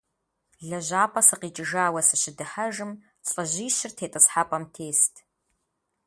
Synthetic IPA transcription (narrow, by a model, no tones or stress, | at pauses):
ɮɐʑaːpʼɐsɨqiːt͡ʃʼɪʒaːwɐsɨʃɪdɨħɐʒɨm | t͡sʼɐʑiːɕɪrtʰeːtʼɨsħapʼɐmtʰeːstʰ